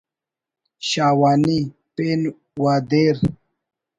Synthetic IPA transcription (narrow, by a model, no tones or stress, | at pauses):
ɕaːwaːni | peːn | waːd̪eːɾ